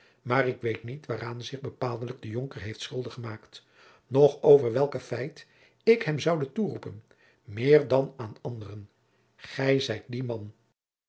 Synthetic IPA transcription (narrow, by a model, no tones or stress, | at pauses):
maːɾɪkʋejtnitʋaːraːnzɪχbəpaːlˠdələɡ̚dəjoŋkəɹɦejftsχʏlˠdəχəmaːkt | nɔχowvəɹʋɛlˠkəfɛjt | ɪkɦɛmzɑwdəturupən | mɪːɹdɑnaːnɑndərən | χɛjzɛjt̚dimɑn